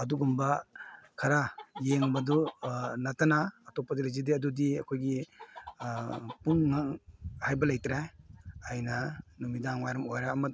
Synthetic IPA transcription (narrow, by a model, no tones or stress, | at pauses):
ɐduɡumbakʰaɾajeŋbadɔnatanaːtɔpːadiɾizidiɐdudiɐkʰojɡi | puŋːaŋhajbɐlajtɾajajnɐnɔmidaŋwajɾɐmojɾaːmɐt